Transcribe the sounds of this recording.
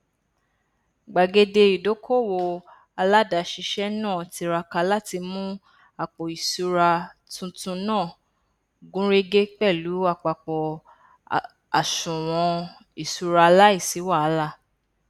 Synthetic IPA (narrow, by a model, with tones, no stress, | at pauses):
ɡ͡ba˨ɡe˧de˧i˨do˨˦kʰo˦˨wo˧ | a˧la˦da˨˧ʃi˧ʃɛ˦nãː˦˨ti˧ɾa˧ka˧la˦ti˧mũ˦ | a˨k͡pɔ˨i˨su˧ɾa˧tũ˧tũ˧nãː˦˨ | ɡũ˦ɾe˦ɡe˦k͡pɛ˦˨lu˨˦a˧˨k͡pa˨k͡pɔ˨ | a˨ʃũ˨w̃ɔ̃˧ | i˨su˧ɾa˧a˧la˦i˦˨si˨˦wa˦˨a˧˦la˦˨